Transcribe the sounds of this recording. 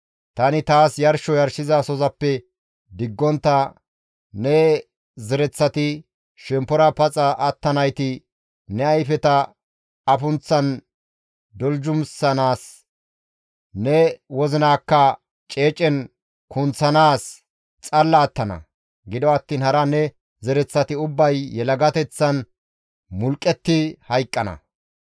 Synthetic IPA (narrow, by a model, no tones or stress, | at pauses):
t̪ɐnɪt̪aːsjɐɾʃɔjɐɾʃɪzɐsɔzɐpːɛ | d̪ɪɡːɔnt̪ːɐ | nɛ | zɛɾɛt͡sːɐt̪ɪ | ʃɛmpːɔɾɐpɐt͡sʼɐʔɐt̪ːɐnɐjt̪ɪ | nɛɐjfɛt̪ɐ | ɐfʊnt͡sːɐn | d̪ɔld͡ʒʊmsɐnaːs | nɛwɔzɪnaːkːɐ | t͡ʃʼeːt͡ʃʼːɛn | kʊnt͡sːɐnaːs | t͡sʼɐlːɐːt̪ːɐnɐ̰ | ɡɪd̪ɔɐt̪ːiːnhɐɾɐnɛ | zɛɾɛt͡sːɐt̪ɪʊbːɐjːɛlɐɡɐt̪ɛt͡sːɐn | mʊlkʼːɛt̪ːɪhɐjkʼːɐnɐ̰